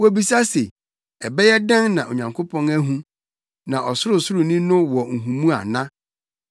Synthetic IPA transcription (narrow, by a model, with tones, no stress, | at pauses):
wɔ˦bi˦sa˦se˨ | ɛ˨bɛ˦jɛ˦dã˦nnã˨ʔo̰˨ɲã˨ŋkʰo˦pʰɔ̃˦næ˦ɦũ˦ | nã˨ʔɔ˨sʊ˦ɾʊ˨sʊ˦ɾʊ˨nĩ˦nʊ̃˦wɔ˨ŋ̩˨ɦũ˨mũ˦a̰˨nã˦